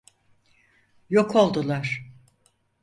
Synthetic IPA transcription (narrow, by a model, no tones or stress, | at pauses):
jokʰo̞lˠd̪ulˠaɾ̥